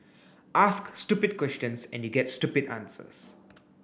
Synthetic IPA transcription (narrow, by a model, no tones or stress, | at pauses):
ʔasksʈupɪd̚kwɛst͡ʃə̃nsɛ̰̃njuɡɛtsʈupɪdãnsə̰s